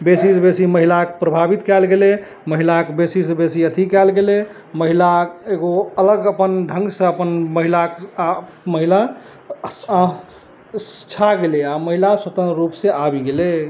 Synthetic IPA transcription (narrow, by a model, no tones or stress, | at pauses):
besisbesiməɦilakpɾəbʱabit̪kɛlɡele | məɦilakbesisebesiət̪ʰikɛlɡele | məɦilaeɡoələɡəpənɖʱə̃ŋɡsẽəpənməɦilak | məɦila | st͡ʃʰaɡeleaməɦilaswət̪ənɾupsẽʔabiɡele